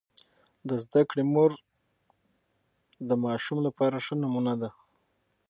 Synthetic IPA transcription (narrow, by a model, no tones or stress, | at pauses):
d̪əzd̪akɽemoɾ | d̪əmɑʃumlapɑɾaʂənamunad̪a